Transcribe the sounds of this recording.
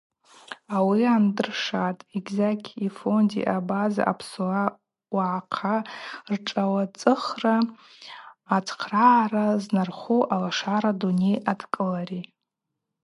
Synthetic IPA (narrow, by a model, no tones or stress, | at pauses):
awiandɨrʂatʼiɡʲzakʰʲifondḭʔabaza̰ʔa̰pʰsua | waʕqʰarʈ͡ʂʼawat͡sʼɨχra | t͡sʰqʰraraznarχuʔalaʂaɾadune̞jadʰkʼɨlaɾi